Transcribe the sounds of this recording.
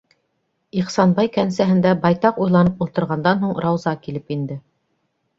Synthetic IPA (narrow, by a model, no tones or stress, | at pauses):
iqsɑnbɑjkænsæɦɘ̆nd̪æbɑjt̪ɑqujlˠɑnɤpulˠt̪ɤ̆ɾʁɑnd̪ɑnɦuɴɾɑwzɑkilɘpind̪ɘ